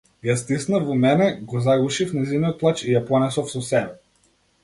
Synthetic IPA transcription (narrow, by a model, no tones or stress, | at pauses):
jast̪isnafvɔmɛnɛɡɔzaɡuʃifnɛjzinijɔt̪̚plˠat͡ʃijaplˠanɛsɔfsɔsɛbɛ